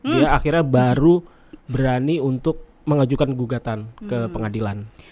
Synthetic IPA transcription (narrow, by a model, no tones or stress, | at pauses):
jaːxirɲabaɾu | bəɾaniunt̪ʊk̚ | məŋad͡ʒukanɡuɡat̪ankəpəŋadilan